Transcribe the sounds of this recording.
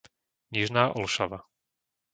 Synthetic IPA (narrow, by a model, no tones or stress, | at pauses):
ɲiʒnaːʔɔlʃaʋa